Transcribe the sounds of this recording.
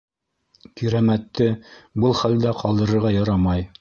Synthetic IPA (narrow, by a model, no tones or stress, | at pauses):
kiɾæmæt̪ːɘbɤlˠχæld̪æqɑlˠd̪ɤ̆ɾɤ̆ɾʁɑjɑɾɑmɑj